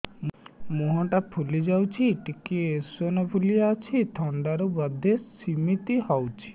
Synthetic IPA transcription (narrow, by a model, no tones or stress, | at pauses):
moɦɔʈapʰulid͡ʒawt͡ʃʰiʈikiesonɔpʰulijaat͡ʃʰit̪ʰɔɳɖaɾubɔd̪ʱesimit̪iɦɔwt͡ʃʰi̥